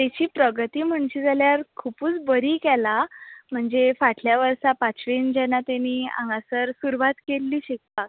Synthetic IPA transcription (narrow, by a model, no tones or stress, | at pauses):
t̪at͡ɕiːpɾəɡət̪iːm̤əɳɕiːd͡zʱaljaɾkʰupuːt͡sbəɾiːkɛlam̤əɳd͡zefaʈʰljaʋəɾsapat͡sʋend͡ʑɛnat̪aniːã̰ŋɡãsəɾsuɾuʋat̪kelːiːɕek̚pak